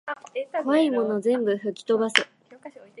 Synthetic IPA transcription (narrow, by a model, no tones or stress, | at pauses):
kβaimo̞no̞zẽ̞mbɯ̟ɸɯ̟kʲi̥t̪o̞basɨ